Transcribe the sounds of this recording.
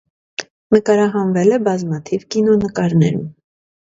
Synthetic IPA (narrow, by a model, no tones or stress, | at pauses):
nəkɑɾɑɦɑnvɛlɛbɑzmɑt̪ʰivkinɔnəkɑɾnɛ̰ɾum